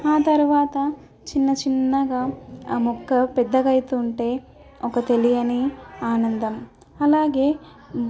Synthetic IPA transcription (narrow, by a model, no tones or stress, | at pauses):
aːt̪ɐɾuʋaːt̪ɐ | t͡ʃinːɐt͡ʃinːɐɡamɔkːɐpɛd̪ːɐɡɐjt̪uːɳʈe̞ː | ɔkɐt̪e̞lijɐniaːnɐnd̪ɐm | ɐlaːɡe̞ː